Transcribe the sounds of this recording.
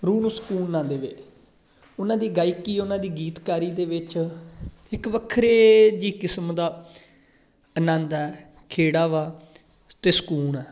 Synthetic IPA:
ɾuːnuːsə̥kuːnnãːd̪eːʋḛ | ʊnãːd̪iːɡaːɪkiːɛʊnãːd̪iːɡiːt̪kaːɾiːd̪eːʋɪt͡ʃ | ɪkʋəkʰɾeːd͡ʒiːkɪsmd̪aː | ənãːnd̪ɛː | kʰeːɽaːʋaː | t̪eːsə̥kuːnɛː

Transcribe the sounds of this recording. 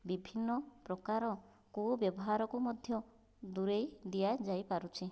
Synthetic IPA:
bibʱinːɔpɾɔkaɾɔ | kubjɔbɔɦaɾɔkumɔd̪ʱjɔ | d̪uɾejd̪ijad͡ʒajpaɾut͡ʃʰi

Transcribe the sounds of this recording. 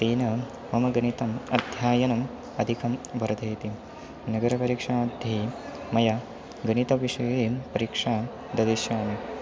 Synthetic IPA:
t̪iːnɐ | mɐmɐɡɐnit̪ɐmɐ̰d̪ʱjaːjɐnɐm | ɐd̪ʱikʰɐmʋɐɾɐd̪ʱɐjt̪i | nɐɡɐɾɐpɐɾiːkʂaːd̪ʱjɐi | mɐja | ɡɐnit̪ɐʋiʂɐjɐeːmpɐɾikʂaː | d̪ɐd̪iʃjaːne

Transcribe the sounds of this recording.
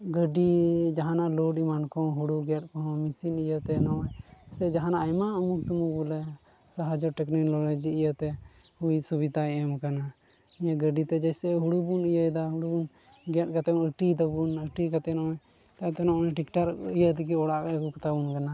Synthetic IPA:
ɡəɖid͡ʒaɦanaʔlɔʈimankɔ̃ɦuɽuɡɛʈ̚kɔɦɔ̃misinijət̪ɛnɔsɛd͡ʒaɦanaːjmaəmukt̪umubulɛ | saɦad͡ʒɔʈɛkniklɔlad͡ʒiijət̪ɛ | hujsubid̪aɛmkana | ijaɡəɖit̪ɛd͡ʒɛjsɛɦuɽubunijəd̪aɦuɽubun | ɡɛʈ̚kat̪ɛunəʈit̪əbunəʈikat̪ɛnɔ | t̪at̪ɛnɔ̃nɛ̃ʈikʈaɾijət̪ɛk̬iɔɽaʔkɛkukt̪abunkana

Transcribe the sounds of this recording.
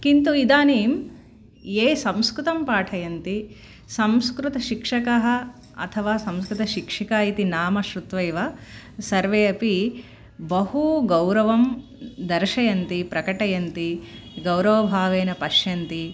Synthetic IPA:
kint̪uid̪aːneːm | eːsɐ̃mskɾut̪ɐmpaːʈʰɐjɐnt̪i | sɐmskɾut̪ɐʃikʂɐkɐɦɐ̆ | ɐ̰t̪ʰɐʋaːsɐmskɾut̪ɐʃikʂikaːjit̪inaːmɐʃɾut̪ʋɐjʋɐ | sɐɾʋeːɐpi | bɐhuɡɐwɾɐʋɐm | d̪ɐɾʃɐjɐnt̪ipɾɐkɐʈɐjɐnt̪iɡɐwɾɐʋɐbʱaːʋeːnɐpɐʃjɐnt̪i

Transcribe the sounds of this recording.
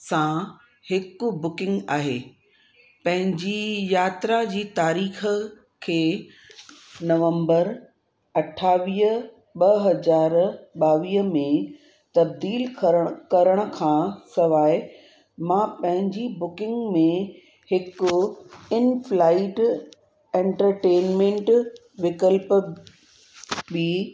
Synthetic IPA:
sã | hɪkʊ̆bʊkɪ̃ŋɡaːɦeː | pɐ̃ɦɪ̃ɲd͡ʑijaːt̪ɾad͡ʑiːt̪aːɾiːxə̆ | kʰeː | nɐʋə̃mbəɾ | ɐʈʰaːʋiːɦə | ɓɐɦɐzaːɾɓaːʋiːɦmẽ | t̪ɐb̚d̪iːlkkɐɾəɽ̃ə̆kʰãːsɐʋaːɪ | mãːpɐ̃ɦɪ̃ɲd͡ʑibʊkɪ̃ŋɡmẽ | hɪkʊɪnflaːɪʈ | ẽːɳʈəɾʈeːnmẽːɳʈ | ʋɪkəlp | biː

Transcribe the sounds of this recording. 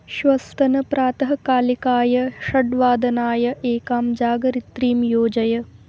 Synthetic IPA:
ʃʋɐst̪ʰɐnɐpɾaːt̪ɐɦɐkaːlikaːjɐʃɐɖʋaːd̪ɐnaːjɐʔeːkaːmd͡ʒaːɡɐɾit̪ɾiːmjoːd͡ʒɐjɐ

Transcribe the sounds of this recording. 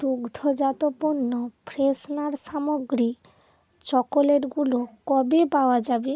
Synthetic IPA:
d̪uɡd̪ʱod͡ʑat̪oponːopʰɾesnaɾʃamoɡɾi | t͡ɕɔkoleɾɡulokɔbepaoad͡ʑabe

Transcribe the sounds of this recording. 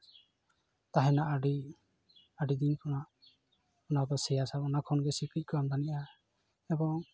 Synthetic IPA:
t̪aɦɛnaʔɖi | aɖid̪inkʰɔnaʔ | ɔnad̪ɔsɛjasapɔnakʰɔnɡɛsikic̚kɔamdaniʔa | ɛbɔŋ

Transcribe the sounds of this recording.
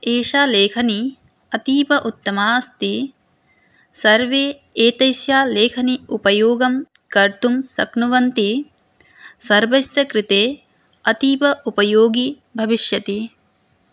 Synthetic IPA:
eːʂaːleːkʰɐni | ɐt̪iːpɐʔut̪ːɐmaːst̪i | sɐɾʋeː | eːt̪ɐjsjaːleːkʰɐniupɐjoːɡɐm | kɐɾt̪umsɐ̰knuʋɐnt̪i | sɐɾʋɐjsjɐkɾit̪eː | ɐt̪iːpɐʔupɐjoːɡi | bʱɐʋiʃjɐt̪i

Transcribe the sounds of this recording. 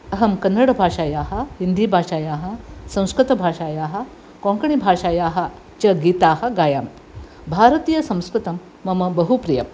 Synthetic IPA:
ɐɦɐmkɐnːɐɽɐbʱaːʂaːjaːɦɐ̆hind̪iːbʱaːʂaːjaːɦɐ̆sɐ̃w̃skɾut̪ɐbʱaːʃaːjaːɦɐ̆ | kõŋkɐɳ̃ibʱaːʃaːjaːɦɐ | t͡ʃɐɡiːt̪aːhɐɡaːjaːm | bʱaːɾɐt̪ijɐsɐ̃w̃skɾut̪ɐmːɐmɐbɐɦupɾijɐm

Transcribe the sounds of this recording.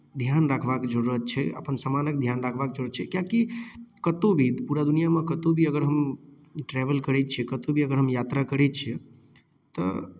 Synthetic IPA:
d̪ʱjanɾakʰʋakd͡ʒəɾuət̪̚t͡ʃʰɛə̰pənsamanək̚d̪ʱjanɾakʰʋak̚d͡ʒəɾət̪t͡ʃʰɛkjãkikət̪obʱipuɾad̪unijamãkət̪obʱiəɡəɾɦəm | ʈɾɛʋəlkəɾɛtt͡ʃʰiɛkət̪obʱiəɡəɾɦəmjat̪ɾakəɾɛt͡ʃʰiɛ | t̪ɔ̰

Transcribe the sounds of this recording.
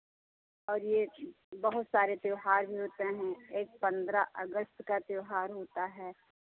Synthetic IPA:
ɔːɾje | bɐɦʊt̪saːɾet̪eːɦaːɾbʱiɦoːt̪eɦɛ̃eːk̚pɐ̃nd̪ɾaʔəɡəst̪kat̪eːɦaːɾɦoːt̪aɦɛː

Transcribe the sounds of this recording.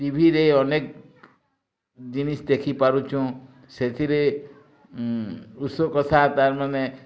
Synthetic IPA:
t̪ibʱiɾeɔnek | d͡ʒinisd̪ekʰipaɾut͡ʃʰũ | set̪ʰiɾe | usokɔt̪ʰat̪aɾmane

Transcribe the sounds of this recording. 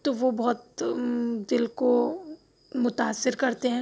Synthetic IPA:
t̪oʋobɔɦt̪ | d̪ɪlko | mʊt̪aːsːɪɾkɐɾt̪eɦɛ̃ː

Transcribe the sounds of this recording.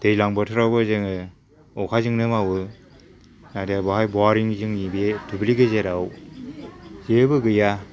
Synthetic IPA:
d̥ejlaŋbɯtʰɯɾawbɯzeŋɯ | ɔkʰazɯŋnɯmawɯ | nadabaɦajbɔaɾiŋzɯŋnibetʰubliɡɯzeɾaw | zebɯɡɯja

